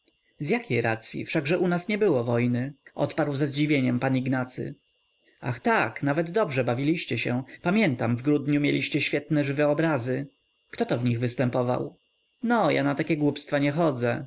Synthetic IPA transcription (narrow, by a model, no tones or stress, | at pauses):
zʲjakʲejɾat̪sʲjḭfʂaɡʐɛʔunasɲɛbɘwɔvɔjnɘʔɔ̰t̪paɾwzɛzd͡ʑivʲjeɲɛmpaniɡnat̪sɘ̰ | a̰xt̪aknavɛd̪ːɔbʐɛbavʲilʲiɕt͡ɕɛɕɛpamʲjɛnt̪amvɡɾud̪ɲumʲjḛlʲiɕt͡ɕɛɕfʲjɛt̪nɛʐɘvɛɔbɾazɘ | kt̪ɔt̪ɔvɲiɣvɘst̪ɛmpɔva̰w | nɔja̰nat̪akʲɛɡwupst̪faɲɛxɔd̪zɛ